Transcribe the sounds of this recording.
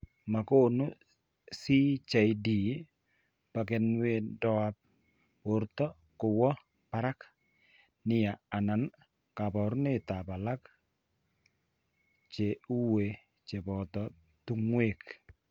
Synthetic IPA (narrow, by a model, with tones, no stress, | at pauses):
ma˨ko˦˨no˦ | si˦t͡ʃa˨jdi˨ | pa˨kɛ˨nwe˦dɔ˨a˦p̚ | o˨ɾt̪ɔ˦ | kʊ˨wɔ˦ | pa˦ɾa˦k | nɪ˦ja˨a˨na˨n | ka˨bɔ˨ɾnɪ˦t̪a˨ba˨la˦k | t͡ʃe˨u˦we˨ | t͡ʃe˨bɔ˨t̪ɔ˨ | t̪u˦ŋwe˦˨k